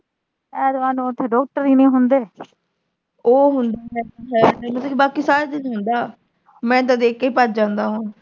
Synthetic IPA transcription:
ɛːd̪oaːnũːt̪ʰːeːɖɔːk̚ʈəɾiːnĩːɦʊnd̪eː | oːɦʊnd̪aːɦɛɦɛemət̪ːkːbaːkiːsaːɾeːd͡ʒ̪əd͡ʒɦʊnd̪aː | mɛ̃ːt̪̬ãd̪eːkːeiːpat͡ʃd͡ʒãːnd̪aːɦoː

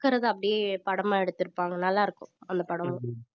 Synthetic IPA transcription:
kːɐɾɐðɯɐpːɐɽɪjepɐɽɐmaːɛɽɯt̪ːɪɾɯpːaːŋɡɐnɐlːaːɪɾɯkːʊ̃ɐnd̪ɐpɐɽɐmʊ̃

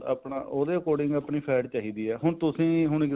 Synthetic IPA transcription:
ə̰ːpɳa̰ːʔoːd̪eːkoːɽɪŋɡəːpɳiːpʰɛːʈt͡ʃaːɦiːd̪iːɛːɦʊɳt̪ʊsĩːɦʊɳɪk

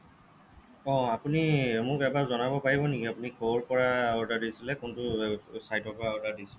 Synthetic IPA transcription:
ɔ̃apunimʊkɛbazɔnabɔpaɹibɔnikiapunikʰoɹpɔɹaɔdadisilɛkʊntʊsajtɔpɔɹaɔdadisi

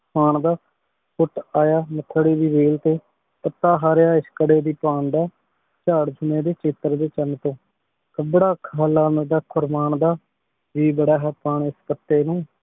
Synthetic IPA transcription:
aːɳd̪aː | pʰʊʈaːjaːmət̪ʰːəɽeːbiːʋeːlt̪eː | pət̪ːaːɦaːɾjaːɪskəɽeːd̪iːpaːnd̪aː | t͡ʃaːɽd͡ʒʰʱʊmẽːd̪eːt͡ʃɪt̪əɾd̪eːt͡ʃənt̪õː | kəbɽaːkʰaːlaːnd̪aːkʰʊɾmaːɳd̪aː | d͡ʒiːbəɽaːɦɛːpaːɳɪspət̪ːeːnũː

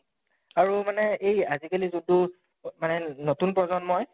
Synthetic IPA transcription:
aɹumanɛejazikalizudu | manɛnotunpɹɔzɔnmɔj

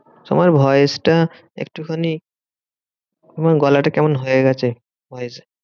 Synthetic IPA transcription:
t̪o̰maɾbʱɔjesʈa | ḛk̚ʈukʰani | omaɡɔlaʈakɛmonɦojeɡɛt͡ɕʰe | bʱɔjese

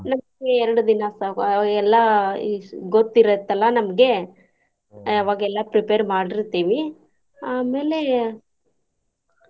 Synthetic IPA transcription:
nɐmɐɡeɛɾɐɽud̪inɐsaɛlːɐ | ɡot̪ːiɾɐt̪ːɐlːɐnɐmɐɡe̞ | ɐʋaːɡɐɛlːapɾipeɾmaːɽiɾt̪iːʋi | aːme̞ːle̞

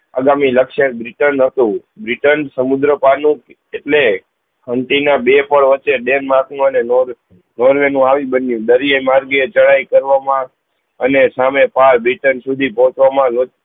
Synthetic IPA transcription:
a̰ɡamiləkʃẽbɾiʈənɦət̪ũbɾiʈənsəmud̪ɾəpanũk | eʈle | həɳʈinabepəɭʋəːt͡ʃːeɖenmaknũəneoɾ | nɔɾʋenũaʋibənjũd̪əɾijemaɾɡet͡ʃəɭaikəɾʋamã | ənesamepʰaɾbɾiʈənsud̪ʱipɔɦɔ̃t͡ʃʋamãlo

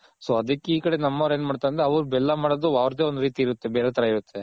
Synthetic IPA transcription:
soːɐd̪ɐkːeiːkɐɽe̞nɐmːɐʋɾeːnmaːɖt̪ajnd̪ɾeɐʋɐɾubɛlːamaːɽod̪uʋaːʋɾt̪eond̪uɾiːt̪iːiɾut̪ːe̞beːɾet̪ɐɾaiɾut̪ʰːe

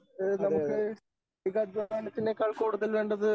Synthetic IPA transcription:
nɐukːɨ | iɡɐd͡ʑɐaːɳɨp̪ːinːeːkːaːɭkuːɽuðɐlʋe̞ːɳɖɐðɨ

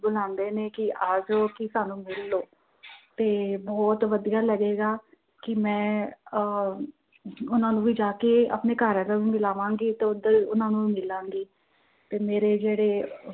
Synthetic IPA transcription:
bʊlãːnd̪eːneːkɪaːd͡ʒoːkɪsaːnũːmɪlːoː | t̪eːbɔːt̪ʋəd̪ijaːləɡeːɡaː | kɪmɛ̃ː | ʊnãːnũːʋiːd͡ʒaːkeːə̰pneːkaːɾãːlãːʋiːmɪlaːʋãːŋɡiːt̪eːʊd̪əɾʊnãːnũːiːmɪlãːŋɡiː | t̪eːmeːɾeːd͡ʒeːɽeː

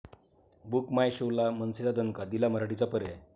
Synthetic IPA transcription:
bukmajɕolamənset͡sad̪ənkad̪ilaməɾaɽit͡sapəɾe

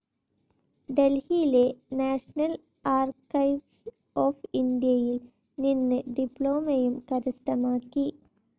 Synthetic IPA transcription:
ɖelhijilenaːʂɐnɐl | aːrkɐjʋs | oːfind̪ijɐjil | ninːɨɖipːɭoːmɐjumkɐɾust̪ɐmaːkːi

